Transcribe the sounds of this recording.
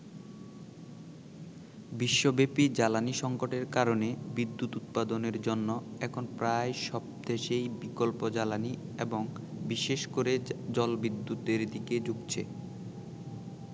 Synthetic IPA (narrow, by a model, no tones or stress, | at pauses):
biʃːobepid͡ʑalaniʃɔŋkoʈeɾkaɾonebid̪ːut̪ut̪̚pad̪oneɾd͡ʑonːoɛkʰonpɾajʃɔb̚d̪eʃejbikolpod͡ʑalanieboŋ | biʃeʃkoɾed͡ʑɔlbid̪ːut̪eɾd̪iked͡ʑuɡt͡ɕʰḛ